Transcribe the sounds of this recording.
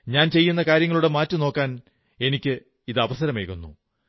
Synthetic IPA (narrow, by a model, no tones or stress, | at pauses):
ɲaːnt͡ɕe̞jːunːɐkaːɾjɐŋːɐɭuɽe̞maːtːɨno̞ːkːaːn | e̞nikʲːɨ | iðɨɐʋɐsɐɾɐmeːkunːṵ